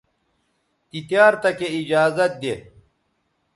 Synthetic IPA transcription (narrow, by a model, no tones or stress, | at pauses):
t̪it̪jaːɾt̪ɐkeid͡ʑaːzɐt̪̚d̪e